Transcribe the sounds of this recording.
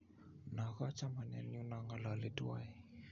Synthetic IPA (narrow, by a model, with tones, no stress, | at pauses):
na˨ɣa˦t͡ʃa˦ma˨na̰˨niu˦na˨ŋɡa˨la˨le˦tu˦a˦i˦